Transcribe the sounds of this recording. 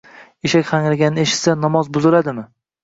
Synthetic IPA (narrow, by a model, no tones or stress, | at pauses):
eʃakʲχaŋɾaɡʲanːɪeʃɪ̥t̪sanɒmɒzbʊzɪlad̪ɪmɪ